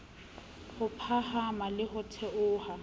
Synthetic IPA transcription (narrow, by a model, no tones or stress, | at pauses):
hʊpʰahamalɪhʊtʰɛʔʊːha